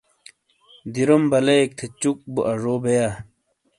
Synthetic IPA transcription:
d̪iɾombɐleek̚t̪ʰet͡ɕuk̚buʔɐʐoːbeja

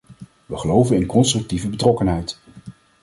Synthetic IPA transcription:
ʋəχəlowvənɪnkɔnstrɵk̚tivəbətrɔkənɦɛjt

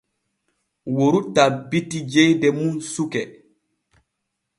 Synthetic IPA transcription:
woɾutabitid͡ʒejdɛmunsukɛ

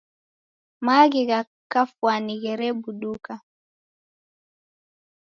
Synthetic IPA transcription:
maɣiɣa | kafwaniɣɛɾɛbuɗuka

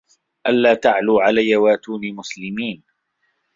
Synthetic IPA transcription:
ʔalːaːt̪aʕluːʕalajːawaːt̪uːnimʊslɪmiːn

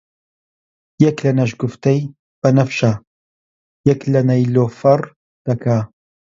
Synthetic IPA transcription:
jɛklɐnɐʃɡʊft̪ɐj | b̥ɐnɐfʃa | jɛklɐnɐjloːfɐr | d̪̥ɐkʰa

